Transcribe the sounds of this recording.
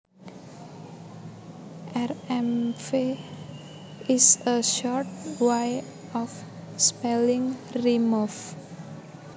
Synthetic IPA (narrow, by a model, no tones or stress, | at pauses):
ʔɛrɛmfe | isəʃɔrt̚waj | ɔfspɛliŋrimuf